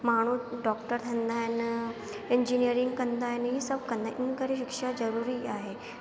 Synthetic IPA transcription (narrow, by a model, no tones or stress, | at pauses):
maɽ̤̃uːɖɔkʈəɾt̪ʰənd̪ʱajnə | eɲd͡ʑinijəɾiŋɡkənd̪ajnəɦiːsəb̚kənd̪aʔinkəɾeɕikʂad͡zəɾuɾiːaɦe